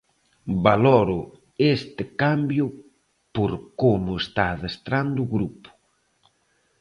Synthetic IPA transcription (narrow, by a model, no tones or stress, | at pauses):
balɔɾʊ | est̪ɪkambjʊ | poɾkomʊest̪aːðest̪ɾand̪ʊːɣɾupʊ̥